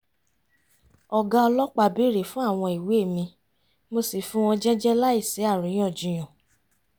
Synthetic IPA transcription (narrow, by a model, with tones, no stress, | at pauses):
ɔ˨ɡã˦ɔ˧lɔ˦k͡pa˧˨bi˨˦ɾe˨fũ˦a˦˨w̃ɔ̃˧i˨we˨˦e˦˨mĩ˧ | mo˧si˨fũ˦w̃ɔ̃˧d͡ʒɛ˦d͡ʒɛ˦la˦i˦˨se˨˦a˦˨ɾũ˨˦j̃ɔ̃˦˨d͡ʒũ˨j̃ɔ̃˨